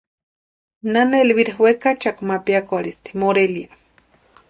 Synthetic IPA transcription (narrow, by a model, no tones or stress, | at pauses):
nanaelβiɾahwekat͡ʃakmapiakoaɾist̪i̥moɾelja